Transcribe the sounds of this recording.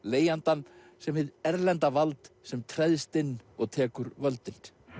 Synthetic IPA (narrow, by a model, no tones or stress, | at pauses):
leːjant̪an | sɛmvɪðɛɾlɛnt̪avalt̪sɛmt̪ʰɾɛðst̪ɪnːɔɣt̪ʰɛːkʏɾvœlt̪ɪn̥